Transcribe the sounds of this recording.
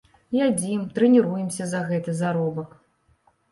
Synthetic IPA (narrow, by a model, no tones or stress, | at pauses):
jad͡zʲimt̪ɾɨnʲiɾujɛmsʲɐzɐɣɛt̪ɨzaɾɔbɐk